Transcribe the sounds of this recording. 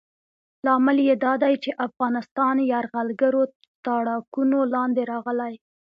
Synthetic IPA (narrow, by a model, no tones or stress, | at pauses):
lɑmɪljed̪ɑd̪ajt͡ʃeʔafɣɑnɪst̪ɑnjɑɾɣalɡəɾo | t̪ɑɽɑkunolɑnd̪eɾɑɣəlaj